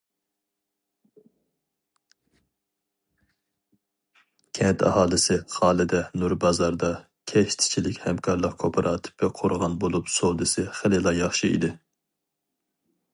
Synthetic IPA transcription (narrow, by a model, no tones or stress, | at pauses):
kʲʰɛnt̪ʰɑ̰hɑːlˠɨsɪχɑːlˠɪd̪ɛnuɾbɑzɑɾd̪ɑ | kʲʰɛʃt̪ʰɪ̥t͡ʃʰilɪkʲhɛmkʰɑɾlˠəqkʰopʰɨɾʔɑːt̪ʰɪ̥pʰɪqʰoɾʁɑnbolˠupsolˠd̪ɨsɪχelɪlˠɑjɑχʃɨḭd̪ɪ